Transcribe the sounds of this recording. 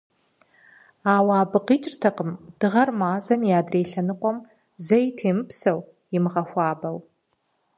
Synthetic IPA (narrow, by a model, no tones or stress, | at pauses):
aːwaːbɨqiːt͡ʃʼrtʰɐqəmd̥ɨʁɐrmaːzɐmjaːdreːɬɐnɨqʷɔm | zɐjtʰeːmɨpʰsɐw | ɪmɨʁɐxʷɑːbɐw